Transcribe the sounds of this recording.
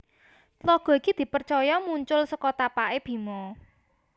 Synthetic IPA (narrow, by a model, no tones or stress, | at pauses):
lɔɡ̥ɔ̤ikid̪̥i̤pərt͡ʃɔjɔmuɲt͡ʃʊlsəkɔt̪apaʔeb̥i̤mɔ